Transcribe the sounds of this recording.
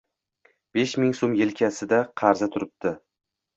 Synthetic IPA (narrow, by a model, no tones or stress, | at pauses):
b̥e̞ʃmɪŋsomjelkʲʰasɪd̪aqʰɑɾzat̪ʰʊɾɪp̚t̪ɪ